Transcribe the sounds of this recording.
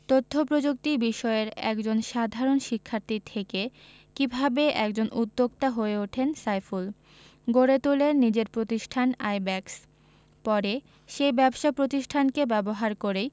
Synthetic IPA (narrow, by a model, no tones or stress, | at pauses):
t̪ot̪ʰːopɾod͡ʑuk̚t̪ibiʃɔeɾɛ̰kd͡ʑonʃad̪ʱaɾonʃikʰːaɾt̪it̪ʰeke | kibʱabeʔɛkd͡ʑonʔud̪ːoɡt̪aɦoeuʈʰensajful | ɡoɾet̪ulenid͡ʑeɾpɾot̪iʃʈʰana̰jbɛks | pɔɾe | ʃejbɛbʃapɾot̪iʃʈʰankebɛboɦaɾkoɾej